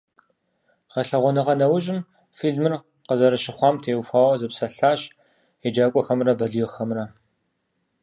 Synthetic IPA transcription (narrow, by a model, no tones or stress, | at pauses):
ʁɐɬɐʁʷɔnɨʁɐnɐwʊʑʼɪm | fiɮmɨr | qəzɐɾɐʃɪχʷɑːmtʰeːwxʷaːwɐzɨpsɐɬaːɕ | ed͡ʒaːkʷʼɔxɐmrɐbɐɮjɪxɐmrɐ